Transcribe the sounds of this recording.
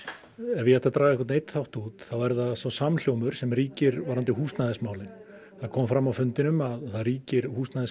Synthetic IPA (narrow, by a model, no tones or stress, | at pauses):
ɛvɪjɛt̪ːat̪ɾaːɣɛkvat̪nejt̪θawht̪uːt̪θavajɾðasawsaml̥joːwmʏɾ̥sɛmriːcɪɾvaɾant̪ɪhuːst̪naðɪsmaːwlɪn | θaðkʰɔːmfɾamːawfʏnt̪ɪnʏmaðθaðɾiːcɪɾhuːst̪naðɪs